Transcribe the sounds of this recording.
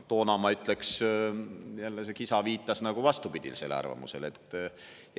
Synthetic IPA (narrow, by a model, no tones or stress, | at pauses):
t̪o̞ːnɑmɑyt̪ˑle̞ks | jælːesekisɑviːt̪ːˑɑsnɑɡ̥uvɑst̪upid̪̥ʲḭlse̞̰lɑ̰rvɑ̰mṵse̞̰le̞t̪ːˑ